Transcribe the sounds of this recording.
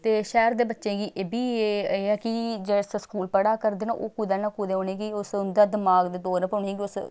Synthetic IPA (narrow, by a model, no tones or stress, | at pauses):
t̪eːʃɛːɾd̪eːbətːʃẽːɡiːʔeːbiːeːɛːkɪd͡ʒesskuːlpəɽaːkəɾd̪eːna̰ːʔoːkuːd̪aːnãːkuːd̪eːɦoːneːɡiʊsʊnd̪aːd̪ɪmaːɡd̪eːd̪oːɾpəɳeːɡiʊs